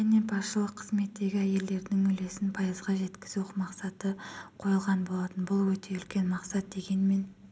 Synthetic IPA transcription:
ʒæne̞bɑsʃəlˠəqʰːəzme̞t̪ːe̞ɡʲɪæje̞ld̪e̞ɾd̪ɪŋɵle̞sɪnpʰɑjəzʁɑʒe̞t̪kʲɪ̥zuqmɑqsɑt̪əqʰo̞jəlˠʁɑnbo̞lˠɑt̪ənbʊlˠwɵt̪ʰe̞ʏlkʲe̞nmɑqsɑt̪̚d̪e̞ɡʲe̞nme̞n

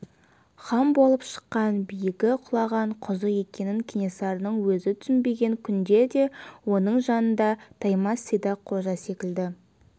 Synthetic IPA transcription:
χɑmbo̞lˠəpʃə̥qːɑnbijɪkʲɪqʰʊlˠɑʁɑɴqʰʊzəe̞kʲe̞nɪŋkʲʰenʲesɑɾnəɴwɵzɪt̪ʰʏ̥sɪnbe̞ɡʲe̞ŋkʲʰʏnd̪e̞d̪e̞wo̞nəɴʒɑnənd̪ɑt̪ʰɑjmɑsid̪ɑqʰo̞ʒɑse̞kʲɪld̪ɪ

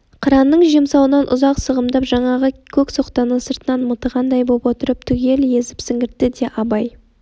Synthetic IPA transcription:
qʰəɾɑnːəɴʒiemsɑwənɑnʔʊ̰zɑqsəʁəmd̪ɑpʒɑɴɑʁəkʲʰɵkso̞qt̪ɑnəsəɾt̪ənɑnmət̪əʁɑnd̪ɑjbopwo̞t̪əɾəp̚t̪ʰʏɡʲe̞lje̞zɪ̥psɪŋɡʲɪɾt̪ːɪd̪e̞ʔɑbɑj

